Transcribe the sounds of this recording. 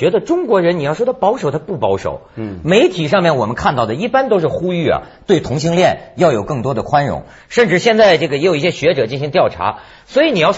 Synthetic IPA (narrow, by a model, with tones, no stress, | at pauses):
ɥɛ˧˥d̪ə˧ʈ͡ʂʊ˥ŋkwɔ˧˥ɻə˧˥n˨˩jʂwd̪ɑ˥˩pɑ˧˥ʊʂo˨˩ʊt̪ʰa˥pu˥˩pɑ˧˥ʊʂo̰˨˩˦ʊme˧˥ɪt̪ʰi˨˩ʂ̬ɑ˥˧ŋmjɛ˥˩nwɔ˨˩mə˦nkʰa˥˧nt̪ɑ˥˩ʊd̪ə˩i˥˩pa˥nt̪o˥ʊʂɻ̩˥˩xu˥y˥˩ɐ̰˩t̪we˥˩ɪt̪ʰʊ˧˥ŋɕi˥ŋljɛ˥˧˩njɑ˥˩ʊjo˨˩ʊkɤ˥˩ŋt̪wɔ˥d̪ə˨kʰwa˥nɻʊ̰˧˥ŋ | ʂə˥˧nʈ͡ʂɻ̩˥˩ɕjɛ˥˧nt͡sa˥˧ɪʈ͡ʂɤ˥˩ɡəjɛ˧˥jo˨˩i˥˩ɕjɛ˥ɕɥɛ˧˥ʈ͡ʂɤ˨˩t͡ɕi˥˩n˩ɕi˧˥ŋt̪jɑ˥˩ʊʈ͡ʂʰa̰˧˥ | swɔ˧˥i˧˥ni˨˩jɑ˥˧ʊ